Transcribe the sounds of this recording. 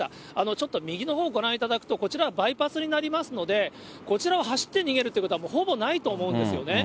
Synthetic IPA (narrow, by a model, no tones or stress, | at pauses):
a̰ | ano̞t͡ɕo̞t̪ːo̞mʲiɡʲino̞ɦo̞ːɡo̞ɾãɰ̃it̪ad̪akɯ̟t̪o̞ko̞t͡ɕiɾaβabaipasɨɲ̟inaɾʲimasɨno̞d̪e̞ | ko̞t͡ɕiɾaoɦaɕi̥t̪ːe̞ɲ̟iɡe̞ɾɯt̪eiɯkot̪oamo̞ho̞bo̞nait̪o̞ːmo̞ɯ̟nd̪e̞sɨjo̞̰ne̞